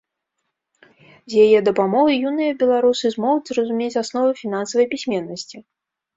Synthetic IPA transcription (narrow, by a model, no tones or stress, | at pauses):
zʲjajɛd̪ɐpamɔɣɨjunɨjɐbʲɛlˠaɾusɨzmɔɣud͡zʲzrɐzumʲet͡sʲasnɔvɐfʲin̪ansɐvɐjpʲisʲmʲɛnːɐsʲt͡sʲi